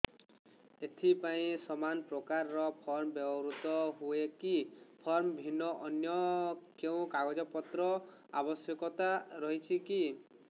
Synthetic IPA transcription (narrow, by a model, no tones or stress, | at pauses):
et̪ʰipaĩsɔmanpɾɔkaɾːɔpʰɔɾmɔbɔbɔɾut̪ɔɦuekipʰɔɾmɔbʱinːɔʔɔnjɔkeũkaɡɔd͡ʒɔpɔt̪ɾɔ | a̰bɔsjɔkɔt̪aɾɔɦit͡ʃʰiki